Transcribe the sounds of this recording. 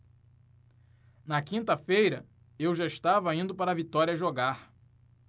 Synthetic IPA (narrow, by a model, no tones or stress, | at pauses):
nɐkĩnt̪ɐfejɾɐ | ewʒaiʃt̪avɐĩnd̪ʊpaɾɐvit̪ɔɾiɐʒoɡaχ